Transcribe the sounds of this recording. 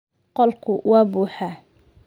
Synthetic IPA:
qɔlkʰʊwɑːbuːħaː

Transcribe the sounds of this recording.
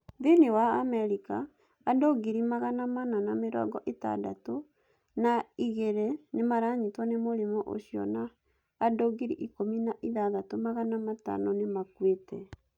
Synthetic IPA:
ðenewaamɛɾikaː | doɡiɾimaɣanamananameɾɔ̰ːɡɔʔeta̰da̰to | naiɣeɾenemaɾaɲitwanemoɾimɔʔo̰ɕiɔ̰naː | doɡiɾḭʔikominaʔiðaðatomaɣanamata̰nɔnemakwetɛ

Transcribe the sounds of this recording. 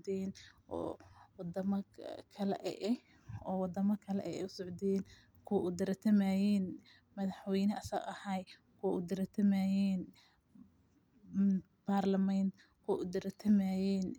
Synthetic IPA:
d̪ɛnʔɔ̰ːwɑd̪ɐmɐkʰɐlɛ̰ʔɛ̰ʔɛ | ɔːwɑd̪ɐmɐkʰɐlɛ̰ʔɛ̰ɛ̰ʊsɔʕd̪ɛːn | kʰʊwʔʊd̪ɐɾɐt̪ʰɐmaːjɛːn | mɐðɑħwɛjnɐʔɐsɐ̰ɐhaj | kʰʊʔʊd̪ɪɾɐt̪ʰɐmaːjɛːn | baːrlɐmɛnt̪ | kʰɔʔʊd̪ɪɾɐt̪ʰɐmaːjɛːn

